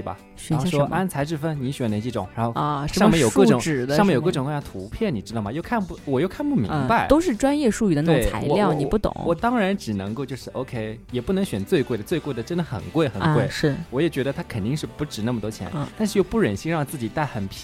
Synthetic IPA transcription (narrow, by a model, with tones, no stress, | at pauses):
bɐ̰˩˥ | ʂɔ˥a˥nt͡sʰa˧˥ɪʈ͡ʂɻ̩˥˩fə˥nni˧˥ɕɥɛ˨˩nlə˧˥t͡ɕi˥˩ʈ͡ʂʊ̰˨˧˦ŋɻa̰˧˥nxo˥˧ʊ˧ʂʂɑ˥˧mjɛ˥˧˩jo˨˩ʊɤ˥˧ʈ͡ʂʊ˨˩ŋɻ̩˨˩ʂŋ˧ɛ˧jo˨˩˧kʈ͡ʂʊ˨˩ŋkwjɑ˥˩t̪ʰu˧˥pʰjɛ˥˩ni˨˩ʈ͡ʂɻ̩˥t̪ɑ˥˩mɐ˩jo˥˧ʊkʰa˥˧npu˥˩wɔ˨˩jo˥˧ʊkʰa˥˧npu˥˩mḭ˧˥ŋ˧ba˧ɪt̪o˥ʊʂɻ̩˥˩ʈ͡ʂwa˥njɛ˥˧ʂu˥˧y˥˩d̪ə˦we˥˩a̰˧˥ɪɔ˨˧ljɑ˥˩ʊni˨˩pu˥˩t̪ʊ̰˨˦wɔ˨˩t̪ɑ˥ŋɻa˧˥nʈ͡ʂɻ̩˨˩nɤ˧˥ŋko˥˧t͡ɕjo˥˧ʊʂɻ̩˥˩ʔo˥ʊkʰe˥ɪjɛ˨˩pu˥˩nɤ˧˥ŋɕɥɛ˨˩nt͡swe˥˧ɪkwe˥˩ɪdə˩t͡swe˥˧ɪkwe˥˩ɪd̪ə˩ʈ͡ʂə˥nd̪ə˩xə̰˨˩nkwe˥˩ɪxə˨˩nkwe˥˩ɪʂɻ̩˥˩wɔ˧˥jɛ˨˩t͡ɕɥɛ˧˥d̪ə˧t̪ʰa˥kʰə˨˩nt̪i˥˧ŋʂɻ̩˥˩pu˧˥ʈ͡ʂɻ̩˨˩na˥˩mət̪wɔ˥t͡ɕʰjɛ̰˧˥n˩t̪a˥˧ʂɻ̩˥˧jo˥˧ʊpu˥˩ɻə˨˩nɕi˥˧ŋɻɑ˥˧ŋ˩t͡sɹ̩˥˩t͡ɕi˨˩t̪a˥˩ɪxə˨˩npʰ